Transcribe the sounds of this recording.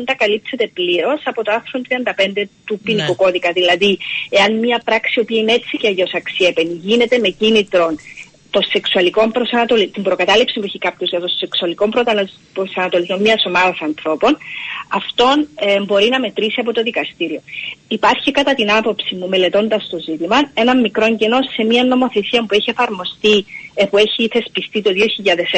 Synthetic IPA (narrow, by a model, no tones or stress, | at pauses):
nd̪ɐkɐlipse̞t̪e̞pliɾo̞sɐpo̞t̪oɐθɾont̪ɾiɐnd̪ɐpe̞nd̪e̞t̪upinikuko̞ðikɐðilɐðie̞ɐnmɲɐpɾɐksiopiɐinee̞t͡sːiceɐʝo̞sɐksie̞pe̞niʝine̞t̪e̞me̞cinit̪ɾo̞n | t̪o̞se̞ksuɐliko̞mpɾo̞sɐnɐt̪o̞lit̪imbɾo̞kɐt̪ɐlipsipueçikɐpçozʝɐt̪o̞se̞ksuɐliko̞mpɾo | pɾosɐnɐt̪oliznommiɐso̞mɐðɐsɐnθɾo̞po̞nɐft̪o̞nmbo̞ɾinɐme̞t̪ɾisiɐpo̞t̪o̞ðikɐst̪iɾio̞ipɐɾçikɐt̪ɐt̪inɐpo̞psimːume̞le̞t̪o̞nd̪ɐst̪o̞zit̪imɐe̞nɐmːikɾo̞ɲɟeno̞sːe̞miɐnːo̞mo̞θesiɐmpue̞çie̞fɐɾmo̞st̪ipue̞çiθe̞spist̪it̪o̞ðio̞çiʎɐðes